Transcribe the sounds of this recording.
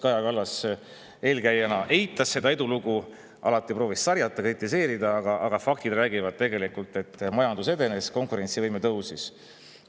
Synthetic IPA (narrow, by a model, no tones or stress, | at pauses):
kɑjɑkɑlːɑs | e̞ːlkæjːenɑʔe̞jt̪ːˑɑsːe̞d̪̥ɑe̞d̪uluɡu | ʔɑ̰lɑt̪ːˑipro̞ːvissɑrjɑt̪ˑːɑkrit̪ːˑise̞ːɾid̪̥ɑɑɡ̥ɑʔɑɡ̥ɑfɑkt̪id̪̥ɾræːɡivɑd̪̚t̪e̞ɡe̞likult̪ˑe̞t̪ːˑmɑjɑnd̪use̞d̪e̞ne̞sko̞ŋkuɾe̞nʲsivɤjmet̪ɤwsis